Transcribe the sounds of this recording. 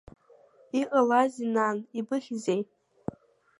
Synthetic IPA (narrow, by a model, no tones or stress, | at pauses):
iqʼalazinanibɨχʲzejʼ